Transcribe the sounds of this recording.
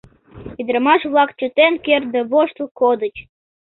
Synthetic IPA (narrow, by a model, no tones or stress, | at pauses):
id̪ɾəmɑʃβlˠɑkt͡ɕə̆t̪enker̚d̪əβoʃt̪ukod̪ət͡ɕ